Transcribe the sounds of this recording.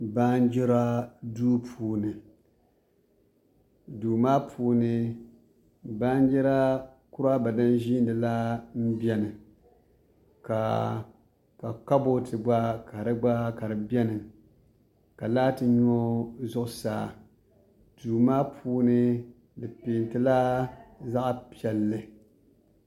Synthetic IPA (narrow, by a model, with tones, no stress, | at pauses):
ba˦n˦d͡ʒɛ˦ɾa˦duː˦pʰuː˨nɨ˨ | duː˨maː˦pʰuː˦nɨ˦ | baː˦n˦d͡ʒɛ˦ɾa˦ | kʊ˦ɾa˦ba˨dɨ˦nʒi˦n˦dɨ˨la˦m̩˦bɛ˦nɨ˨ | ka̰˨ | ka˨ka˦bo˦tʰɨ˨ɡ͡ba˦ka˨ɾɨ˦ɡ͡ba˦ka˨ɾɨ˨bɛ˦nɨ˨ | ka˨laː˦tɨ˨ɲo˦zʊ˦ʔʊ˦saː˨ | duː˨maː˦pʰuː˦nɨ˦ | dɨ˨peː˨ntɨ˦la˦za˦ʔpi˨ɛ˨lːɨ˦